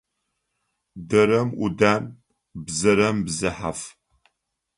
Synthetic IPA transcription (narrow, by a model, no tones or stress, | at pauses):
dɐɾɐmudaːn | bzɐɾɐmbzɨħa̰f